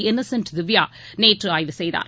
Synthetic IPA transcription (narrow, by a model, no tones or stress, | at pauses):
ɪnɐsɐnʈd̪ɪʋjaː | neːʈrɯaːjʋɯsɛjða̰ːɾ